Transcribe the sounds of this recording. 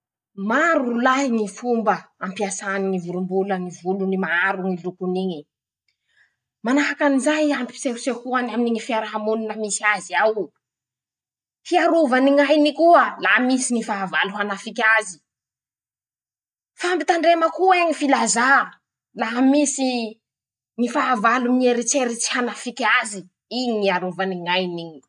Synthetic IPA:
maɾulaɦinifumbəampiasaniŋivulumbulənivulunimaaɾuŋilukuniɲi | manaɦakanizajampi̥seɾusehuanaminiɲifiaɾaɦamuninəmisiaziaw | fiaɾuvaniŋajnikuəlamisinifaavaluɦanafikʲazi̥ | fambit̪aɳɖ͡ʐeməkueɲifilaza | laɦamisi | nifaavalumieɾit͡ʃeɾit͡si̥hanafikʲazi | iɲiniaɾuvaniŋajniɲi

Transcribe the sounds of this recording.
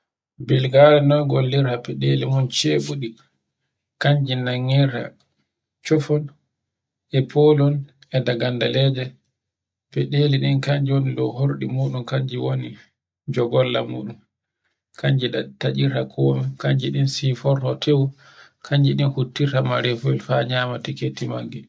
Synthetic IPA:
bilɡaɾɛnɔnɡolːiɾapɛɗelimɔnt͡ʃeɓuɗi | kaɲd͡ʒinaŋːiɾa̰ | t͡ʃɔfɔn | ɛpʰolɔn | ɛdaɡandalɛd͡ʒɛ | pɛɗeliɗinkaɲd͡ʒiwoniɗɔhoɾɗimuːɗunkaɲd͡ʒiwoni | d͡ʒɔɡɔlːa̰mṵːɗun | kʰaɲd͡ʒiɗatad͡ʒiɾakʰɔːmɛkaɲd͡ʒiɗinsifɔɾɔtʰew | kʰaɲd͡ʒiɗinhutːiɾamaɾɛfɔɛlfaɲaːmatiketːimaɡːɛ

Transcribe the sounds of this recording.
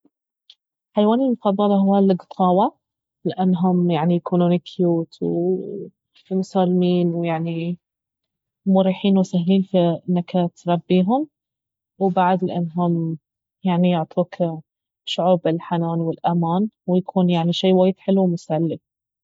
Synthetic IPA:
ħajwaːnɪlmʊfɑðˤːɑlɑhʊwalɪɡt̪ˤʰɑːwa | lɪʔanːɦʊmjaʕnijakuːnunɪkʰjuːt̪ʰwɪ̰ | mʊsaːlmiːnwɪjaʕni | mʊɾiːħiːnwɪsahliːnfinːakat̪ɾˤɑbːiːɦʊm | wbaʕad̪lɪʔanːɦʊm | jaʕnijʊʕt̪ˤʰuːk | ʃʊʕuːbɪlħanaːnwɪlʔamaːnwɪjakʰuːnjaʕniʃaːwaːjd̪ħɪluwmʊsalːɪ

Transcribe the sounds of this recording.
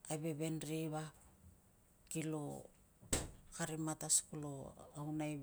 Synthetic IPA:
ajβe̞βe̞nɾiβa | kilo̞̰ | kaɾimataskuloawnaj

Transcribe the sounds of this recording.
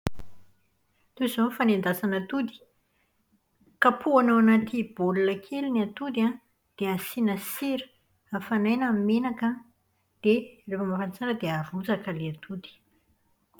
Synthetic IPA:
t̪uzonfanend̪asanət̪ud̪i̥ | kapʰuanawanat̪ʰib̥olulakʰeliniat̪ud̪ia | d̪̥easinəsiɾə̥ | afanajnammenaka | d̪̥erefəmafant͡saɾəd̪eaɾud͡zakəleat̪ʰud̪i̥

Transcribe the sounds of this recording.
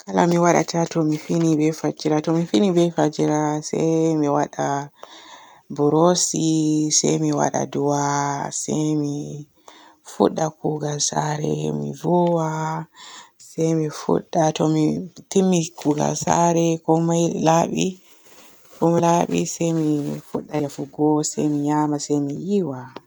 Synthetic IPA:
kʰalamiwaɗa̰tʰatɔmifinibɛfad͡ʒiɾatɔmifinibɛfad͡ʒiɾasɛ̰jmiwaɗa | buɾosisɛ̰jmiwa̰ɗa̰duwasɛjmi | fṵɗːakuɡalsaɾɛ̰mḭvɔwa | sɛjmifṵɗːatɔmitimːikuɡa̰lsaɾɛkɔmajlaɓḭ | kɔmilaɓḭsɛjmifuɗːaafuɡɔsɛjmiɲaːmasɛjmijiwa

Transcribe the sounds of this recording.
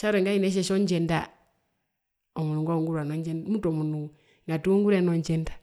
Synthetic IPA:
ʃaɾeŋɡainɛʃ̬ɛʃɔɲd͡ʒɛnda | ɔmuuŋɡɔŋɡuɾwanɔɲd͡ʒɛnmutɔmunu | ŋɡatuŋɡuɾɛnɔɲd͡ʒɛndḁ

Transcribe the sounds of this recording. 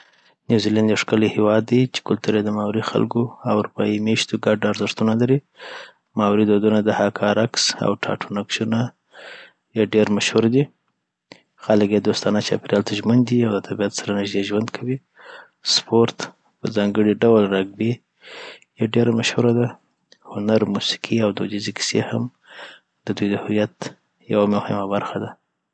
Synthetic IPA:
njuziland̪jewʂkəlihewɑd̪ːit͡ʃe̥kʊlt̪uɾjed̪əmawɾixa̰lɡoawɾupɑimeʃt̪oɡaɖaɾzɪɾt̪unalaɾi | mɑwɾid̪od̪unad̪əhakʰɑɾaksa̰wʈʰɑ̰ʈʰunakʃuna | jaɖeɾmaʃhuɾd̪i | xaləkjed̪ost̪ɑnat͡ʃɑ̰peɾialt̪ʰaʒmənd̪iawd̪ət̪ʰabiat̪saɾanɪʒd̪eʒwand̪kʰawi | spʰoɾt̪ | pəzɑŋɡəɽiɖawlɾaɡbe | jaɖeɾamaʃhuɾad̪a | hʊnaɾmusi̥kʰiawd̪od͡ʒizekɪ̥sḛham | d̪əd̪ujd̪əhʊjat̪ | jawamʊhɪmabaɾxad̪a

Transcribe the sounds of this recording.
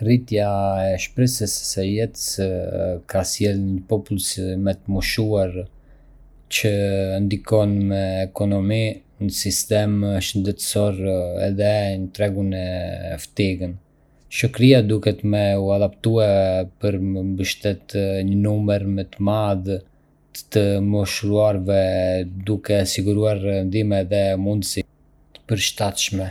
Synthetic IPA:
rit̪jaɛʃpɾɛsəsːɛjɛt̪ə̥s | kʰasjɛlɲəpɔpulsmɛt̪əmuʃuaɾ | t͡ɕənd̪ikɔnmɛːkɔnɔmi | ɲəsist̪ɛmʃənd̪ɛt̪sɔɾɛ̰ðɛɲət̪ɾɛɡunɛft̪iɡən | ʃəkɾiad̪ukɛt̪əmɛuad̪apt̪uɛpəɾmbəʃt̪ɛt̪ɲənuməɾmɛt̪əmað | ə̥t̪əmɔʃɾuaɾvɛd̪ukɛsiɡuɾuaɾnd̪imɛðɛmund̪əsi | t̪ə̥pəɾʃt̪at̪ʃmɛ

